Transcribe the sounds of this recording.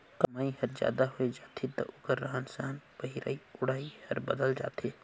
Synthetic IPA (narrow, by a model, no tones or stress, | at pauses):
kɐmaːihɐɾzja̰ːd̪aɦoed͡ʒaːt̪ʰet̪ɐ̰ʔʊkəɾːaɦənsaːnbəɦiɾa̰ːiʊɽaːihɐɾbəd̪əld͡ʒa̰ːt̪ʰe